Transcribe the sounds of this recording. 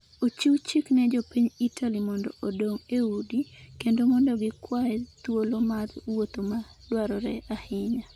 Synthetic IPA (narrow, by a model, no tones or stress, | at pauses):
ot͡ʃiwt͡ʃiknɛd͡ʒɔpiɲitʰalimɔndɔʔodoŋeudikendomɔndɔɡɪkwaɛt̪wolomarwot̪omadwaɾɔɾɛʔahɪɲa